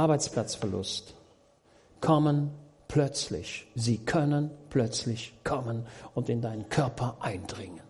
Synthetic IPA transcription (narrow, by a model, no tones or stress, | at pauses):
ʔaɐbaɪt͡spl̥at͡sfɛɐlʊ̰st | kʰɔmən | plœt͡slɪ̰çziːkʰœnənpʰlœt͡slɪçkʰɔmənʊntɪndaɪnənkʰœɐpʰɐʔaɪndʁɪŋən